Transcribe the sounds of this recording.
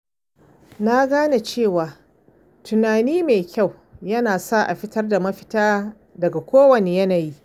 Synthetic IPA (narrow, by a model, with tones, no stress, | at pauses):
na˦ɡaː˦na˨t͡ʃeː˦˨waː˨ | tʊ˨naː˨niː˦meː˨kʲa˦˨w | jɐ˦naː˨sa˦˨ʔa˨ɸɪ˦tɐ˦rda˨mɐ˦ɸɪ˦taː˦ | dɐ˨ɡa˨kʷoː˦wɐ˨neː˨jɐ˦naː˨ji˦ʔ